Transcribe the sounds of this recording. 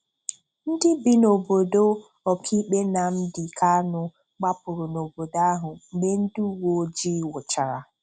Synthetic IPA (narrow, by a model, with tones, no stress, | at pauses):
n̩˦dɪ˦bi˨no˨bo˨do˦ | ɔ˨kʰi˦k͡pe˦na˨m̩˦dɪ˨kʰa˦nʊ˨ | ɡ͡ba˦pʊ˨ɾʊ˨no˨bo˨da˦ɦʊ˨m̩˨me˦n̩˦du˦wo˦d͡ʒi˦wʊ˨t͡ʃa˨ɾa˨